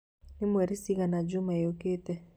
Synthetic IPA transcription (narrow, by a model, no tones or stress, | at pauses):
nɪmwɛɾisiɣanad͡ʒʊmaoketɛ